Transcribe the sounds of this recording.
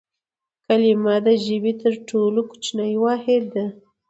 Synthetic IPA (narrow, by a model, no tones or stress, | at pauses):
kalimɑd̪əʒɪbit̪əɾʈolokʊ̥t͡ʃnajwɑhɪd̪ːa